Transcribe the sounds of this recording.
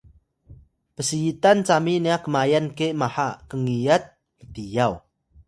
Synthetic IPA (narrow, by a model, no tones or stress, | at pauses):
pəsiːt̪ant͡saminiakəmajankeʔmaħaʔkəŋijat̪̚ | t̪ijaw